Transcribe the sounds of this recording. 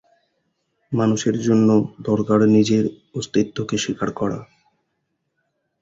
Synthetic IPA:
manuʃeɾd͡ʑonːod̪ɔɾkaɾnid͡ʑeɾ | ost̪it̪ːokeʃikaɾkɔɾa̰

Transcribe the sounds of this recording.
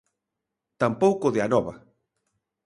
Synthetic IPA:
t̪ampowkoðeanɔβa̰

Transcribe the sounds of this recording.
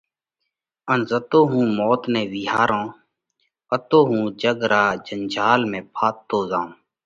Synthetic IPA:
ənzət̪oːɦũːmɔːt̪neːʋɪɦaːɾõː | ət̪oːɦũːd͡ʒəɡɾaːd͡ʒənd͡ʒʱaːlmẽːpʰaːt̪ːoːzãːũː

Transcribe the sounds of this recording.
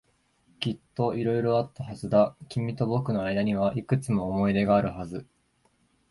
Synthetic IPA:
kʲit̪ːo̞ʔiɾo̞iɾo̞at̪ːaɦazɨd̪akʲimʲit̪o̞bo̞kɯ̟no̞ajd̪aɲ̟iβ̞aʔikɯ̟t͡sɨmo̞ːmo̞id̪e̞ɡaːɾɯ̟ɦazɨ

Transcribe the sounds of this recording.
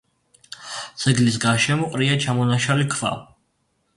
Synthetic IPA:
d̪z̥ʰɛɡlis̬ɡaɾʃɛmɔqʼɾiat͡ʃʰamɔnaʃalikʰva̰

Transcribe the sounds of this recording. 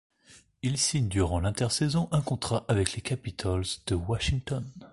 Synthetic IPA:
ilsiɲd̪yʁɑ̃lɛ̃t̪ɛʁsɛzɔ̃ʔɛ̃kɔ̃t̪χaʔavɛklekʲapit̪ʰɔld̪̥əwaʃiŋt̪ɔn

